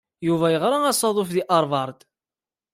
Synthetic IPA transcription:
juvæjəʁɾˤɑæsˤɑðˤʊfðiʔɑɾˤvɑɾˤd̪

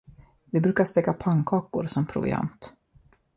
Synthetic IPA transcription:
vɪbɾʉ̟ːkaʂt̪ɛkːapʰaŋkʰɑːkʊɾsɔmpʰɾʊ̰vɪ̰a̰nt̪

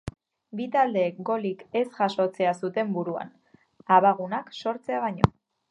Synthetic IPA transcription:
bit̪ald̪e̞kɡo̞like̞sʝaso̞t͡se̞asut̪e̞mbuɾua̰n | aβaɣ̞unakso̞ɾt͡se̞aβaɲo̞̰

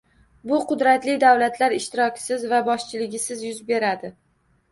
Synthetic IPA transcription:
bʊqʰʊd̪ɾat̪lɪd̪awlat̪ʰlaɾɪʃt̪ɪɾɒkʲsɪzvabɒʃt͡ʃʰɪlɪɡʲɪsɪzjʊzbe̞ɾad̪ɪ

